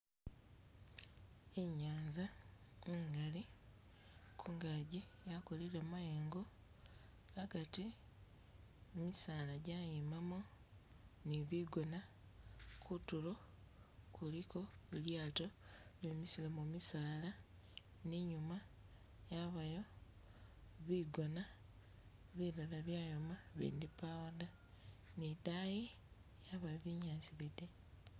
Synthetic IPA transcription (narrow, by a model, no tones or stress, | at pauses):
eɲaːnzaiŋɡali | kʰuŋɡaɟijakoliɾamajeːŋɡo | aɡati | emisaːlaɟajimamo | niβiɡona | kutulo̞ | kuliko̞iljaːtoβemisilamumisaːla | niɲuma | jaβajo̞ | βiɡona | βiɾolaβjaːjomaβḭːndipawada | nidaji | jaβajoβiɲaːsiβite